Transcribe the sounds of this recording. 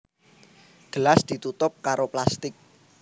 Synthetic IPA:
ɡ̥əlasd̪̥i̤t̪ut̪ʊp̚kaɾoplast̪ɪk̚

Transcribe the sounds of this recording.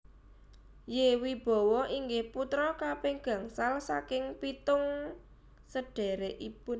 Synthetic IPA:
jewib̥ɔ̤wɔʔiŋɡɪhput̪ɾɔkapɪŋɡ̥ä̤ŋsalsakɪŋpit̪ʊŋ | səɖ̥ɛ̤ɾeʔipʊn

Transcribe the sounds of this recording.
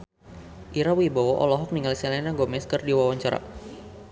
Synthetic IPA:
ʔiɾawibawɔʔɔ̰lɔɦɔk̚niŋalisɛlɛnaɡɔmɛskərdiwawaɲt͡ʃaɾa̰

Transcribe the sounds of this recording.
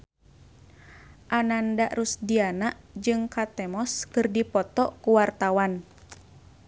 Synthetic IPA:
ʔanandaʔrusdianaʔd͡ʒɨŋkat̪ɛmɔskɨrdipɔt̪ɔkuwart̪awan

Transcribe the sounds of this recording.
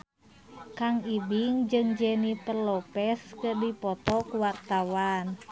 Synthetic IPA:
kaŋibiŋd͡ʒɨŋd͡ʒɛnipərlɔpɛskɨrdipɔt̪ɔkwart̪awan

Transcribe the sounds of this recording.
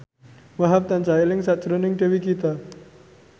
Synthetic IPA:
waɦap̚t̪ant͡ʃailɪŋsaʔ̪̚d͡ʒ̥ɾonɪŋɖe̤wikit̪a

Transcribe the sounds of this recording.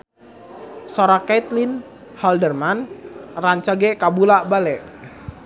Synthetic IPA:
soɾakɛt̪lin | hɔldərmanraɲt͡ʃaɡɛkabulaʔbalɛʔ

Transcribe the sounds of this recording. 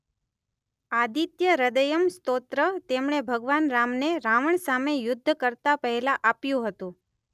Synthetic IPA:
ad̪it̪jəɾəd̪əjəmst̪ot̪ɾət̪emɳ̃ebʱəɡʋanɾamneɾaʋəɳsamejʊd̪ʱːkəɾt̪apəɦɛlaʔapjũɦət̪ũ

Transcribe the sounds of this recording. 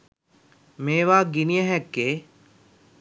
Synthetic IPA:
meːʋaːɡinijɐɦɛkːeː

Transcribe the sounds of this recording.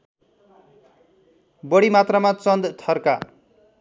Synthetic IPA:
bʌɽimat̪ramat͡sʌnd̪t̪ʰʌrka

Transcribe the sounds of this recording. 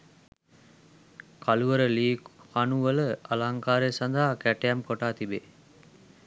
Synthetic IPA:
kaluʋəɾəliːkanuʋələʔalaŋkaːɾejsand̪aɦakæʈejamkoʈaːt̪ibe

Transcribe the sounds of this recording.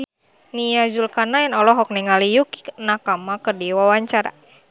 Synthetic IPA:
nijad͡ʒulkanajanɔlɔɦɔk̚nɛŋalijukinakamakərdiwawaɲt͡ʃaɾa̰

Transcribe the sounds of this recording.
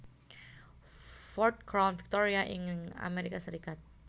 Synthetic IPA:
fɔrt̪̚kɾanfi̥k̚t̪oɾiaʔiŋa̰meɾikasəɾikat̪̚

